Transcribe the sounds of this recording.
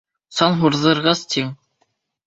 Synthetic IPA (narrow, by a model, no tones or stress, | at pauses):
sɑnɦuɾðɤ̆ɾʁɑst̪iŋ